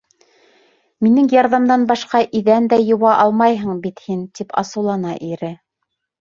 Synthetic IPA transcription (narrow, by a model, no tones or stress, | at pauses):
minɘŋjɑɾðɑmd̪ɑnbɑʃqɑʔiðænd̪æjŏwɑʔɑlˠmɑjɦɤɴbit̪hint̪ipɑ̰sɤ̆wlˠɑnɑʔiɾɘ